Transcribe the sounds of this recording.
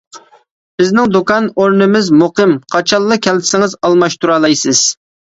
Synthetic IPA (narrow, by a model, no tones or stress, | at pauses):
b̥ɪznɪŋd̪okɑnoɾnɪmɪzmuqɨmqʰɑt͡ʃʰɑlˠːɨkʲʰɛlt̪ʰɪ̥sɪŋɨzɑlˠmɑʃt̪ʰuɾɑːlˠɑjsɪz̥